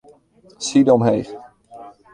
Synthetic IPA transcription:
sidɔmɦejχ

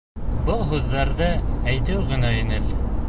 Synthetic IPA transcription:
bɤlˠɦʉðːɑɾðɤæjt̪ɘwɣɘ̆næĭnɘl

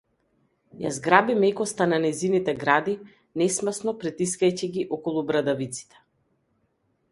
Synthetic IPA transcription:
ja̰zɡɾabimɛkɔst̪ananɛjzinit̪ɛɡɾad̪i | nɛsmsnɔpɾɛt̪iskajciɡiʔɔkɔlˠubɾad̪avit̪si̥t̪ɛ̥

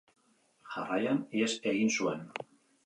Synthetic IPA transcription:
ʝarajaniese̞ɣinsuen

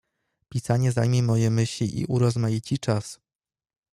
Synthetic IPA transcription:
pʲisaɲɛzajmʲɛmɔjɛmɘɕlʲiʔḭʔuɾɔzmajit͡ɕit͡ʂas

